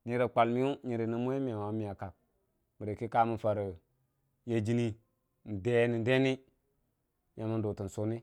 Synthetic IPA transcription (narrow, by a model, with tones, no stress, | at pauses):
ɲi˨˦ɾe˨k͡pa˨lmi˦u˦ɲi˨ɾi˨ni˨˦mu˦e˦m˦˨a˨wa˨˦mi˨a˨ka˨k̚ | mi˨ɾe˨ki˦ka˦mu˨fa˨ɾə˨ | je˨d͡ʒi˦ni˦ | n̩˨de˦ni˨n˦de˦ni˦ | ja˨mi˦n˦do˨ti˨n̩˨so˦ni˦